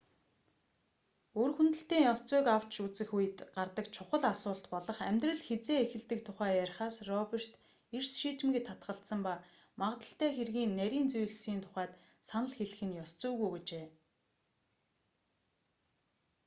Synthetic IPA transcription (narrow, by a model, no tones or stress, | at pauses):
ɵrxunt̪ɘ̆ɬt̪eːŋjɔst͡sʊːkaw̥t͡ɕut͡sɘ̆xujɘ̆t̪ɢart̪ə̆kt͡ɕʰʊχə̆ɮasʊːɬt̪pɔɮɞ̆χæmʲt̪rə̆ɮxet͡seːexɘ̆ɮt̪ɘ̆kt̪ʰʊχæːjærʲχaːsrɔper̥t̪ | ersʃiːt̪mĭk̆t̪ʰːat̪̚ɢə̆ɬt̪sə̆mpa | maʁə̆t̪ə̆ɬt̪æːxerɣiːnːæɾʲiːnt͡suj̆ɮsiːnt̪ʰʊ̥χæːt̪ | sanə̆ɮxeɮɘ̆xɘ̆njɔst͡sʊːɣujɡet͡ɕeː